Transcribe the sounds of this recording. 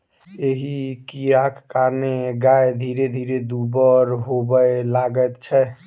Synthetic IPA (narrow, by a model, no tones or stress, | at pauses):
eɦikiɾakʰːaɾneɡaed̪ʱiɾed̪ʱiɾed̪ubəɾɦobəelaɡət̪t͡ʃʰɛ